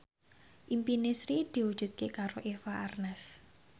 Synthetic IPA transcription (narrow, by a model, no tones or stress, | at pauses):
ʔimpinesɾid̪̥i̤wud̥ʒ̥ṳt̪̚kekaɾoʔefaʔarnɛs